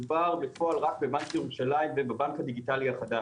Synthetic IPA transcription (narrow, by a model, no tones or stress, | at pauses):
baʁbefoalʁak̚bebankjeʁuʃalaimvebabankhad̪iɡit̪aliaχad̪a